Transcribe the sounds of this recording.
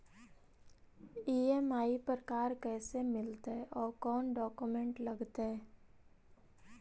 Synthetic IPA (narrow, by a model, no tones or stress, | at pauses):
iːɛmaːipɾəkaːɾkɛːsemɪlt̪ʔɔːɾkɔːnɖɔːkumẽɳʈlɐɡt̪ɦɛː